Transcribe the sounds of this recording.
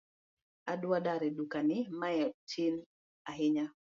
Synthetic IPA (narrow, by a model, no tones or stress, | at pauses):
aɗuwaɗaɾiɗukanimajɔtʰin | aɦiɲa